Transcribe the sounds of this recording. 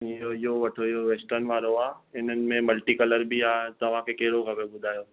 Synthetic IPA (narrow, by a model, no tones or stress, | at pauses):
oɪɦoʋɐʈʰoɪɦoʋeːsʈənɪ̆ʋaːɾoaːɪn̤ənɪ̆mẽmɐlʈikɐləɾbiaːt̪ɐʋ̤ãkʰekɐɦɪɽokʰɐbeɓʊd̪ʱaːjoː